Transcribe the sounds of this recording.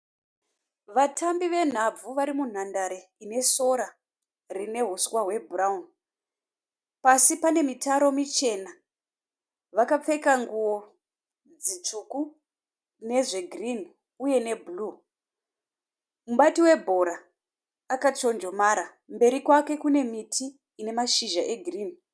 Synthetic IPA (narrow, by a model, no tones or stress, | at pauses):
ʋatʰambiʋe̞n̤ab͡vuʋaɾimun̤andaɾeine̞so̞ɾa | rine̞ɦuswaɦwe̞buraun | pasipane̞mitaɾo̞mit͡ʃe̞na | ʋakap͡fe̞kaŋɡuwo̞ | d͡zit͡ʂuku | ne̞ʐe̞ɡʱrin | uje̞ne̞buluː | muɓatiwe̞bʱo̞ɾaː | kat͡ʃo̞nd͡ʒo̞maɾa | mbe̞ɾikwake̞kune̞mitʰiː | ne̞maʃiʒaʔe̞ɡʱriːn